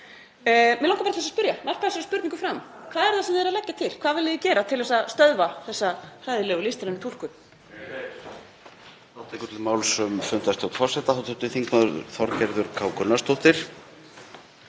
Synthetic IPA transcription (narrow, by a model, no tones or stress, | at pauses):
mɛlawŋkapaɾt̪θɛsaspʏɾjanal̥pʰasɛɾspʏɾt̪iŋkʏfɾamkʰvaːðɛɾθaðsɛmðɪɛɾalɛcːat̪ʰɪlkʰvaːðvɪlɪðɪcɛːɾat̪ʰɪlɛsast̪œðvaθɛsːakʰraːjðɪlɛːɣʏlɪst̪ɾanːɪt̪ul̥kʏ | θawt̪ɛkʏt̪ɪmaːwlsœmfʏnt̪ast̪ʰowht̪fɔr̥sɛt̪aθawt̪ʰʏht̪ɪθiŋknaðʏɾθɔɾcɛɾðʏɾkʰaːwkʰʏnːast̪owht̪ɪɾ̥